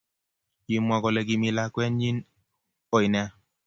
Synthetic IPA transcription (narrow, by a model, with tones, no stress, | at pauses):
ji˨mwa˨kɔ˨lɛ˨ki˨mi˨la˦kwɛ˦nɲi˦n | o˨i˨nɛ˦